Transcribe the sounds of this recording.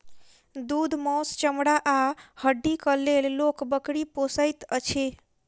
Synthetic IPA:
d̪ud̪ʱmɔst͡ʃəmɽaʔahəɖːikəlellokbəkɽiposəjt̪ət͡ʃʰe

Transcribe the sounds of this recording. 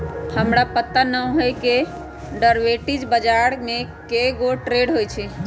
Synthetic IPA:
həmɾapət̪ːanə̃ɦəjke | ɖəɾʋeʈid͡ʒbəd͡ʒaɾmekeɡoʈɾeɖɦojt͡ʃʰɛ

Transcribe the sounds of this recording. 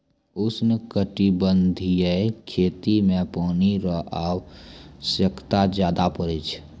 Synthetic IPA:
ʊsnəkəʈibənd̪ʱijəkʰeːt̪imẽpɔːniɾəʔawsəkʰt̪ad͡ʒjaːd̪apəɾit͡ʃʰ

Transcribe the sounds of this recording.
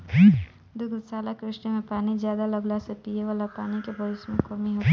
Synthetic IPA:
d̪ʊɡd̪saːlakɾɪʃnimẽpaːnid͡ʒjaːd̪aləɡlasepijeʋaːlapaːnikebʱəʋɪsmẽkəmiɦo

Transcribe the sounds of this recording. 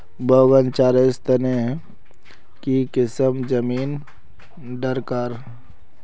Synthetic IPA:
bəʋənt͡ʃaːɾest̪əne | kikɪsəmd͡ʒəmiːn | ɖəɾkaːɾ

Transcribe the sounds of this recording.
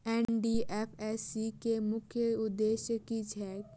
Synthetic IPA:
eːnɖiʔefɛsikemʊkʰjəʊd̪ːeːʃjəkid͡ʒʰʱɛːk̚

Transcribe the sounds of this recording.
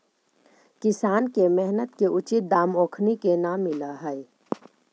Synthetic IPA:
kɪsaːnkemɛɦnət̪keʔʊt͡ʃɪt̪̚d̪aːmoːkʰnikenaːmːɪlaɦɛe

